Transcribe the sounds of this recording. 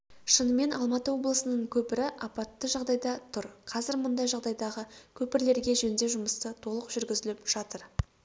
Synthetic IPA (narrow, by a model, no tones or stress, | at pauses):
ʃənəme̞nʔɑlˠmɑt̪əwo̞blˠəsənəɴkʲʰɵpɪɾɪʔɑpɑt̪ːəʒɑʁd̪ɑjd̪ɑt̪ʰʊɾqʰɑzɪɾmʊnd̪ɑjʒɑʁd̪ɑjd̪ɑʁəkʲʰɵpɪɾle̞ɾɡʲe̞ʒend̪e̞ʒʊməst̪ət̪ʰo̞lˠəqʒʏɾɡʲɪzɪlɪpʒ̥ɑt̪əɾ